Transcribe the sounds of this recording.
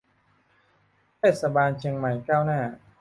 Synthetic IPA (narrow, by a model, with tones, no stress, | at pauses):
t̪ʰeː˥˩t̪̚sa˧baː˧nt͡ɕʰi˧əŋma˨˩jkaː˥˩wnaː˥˩